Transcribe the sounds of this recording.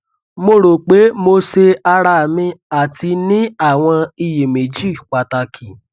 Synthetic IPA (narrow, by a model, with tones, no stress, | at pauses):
mo˧ɾo˨k͡pe˨˦mo˧se˧a˧ɾa˧˨mĩ˧a˨ti˧nĩ˦a˦˨w̃ɔ̃˧i˧je˨me˨d͡ʒi˦˨k͡pa˨ta˧˨kʰi˨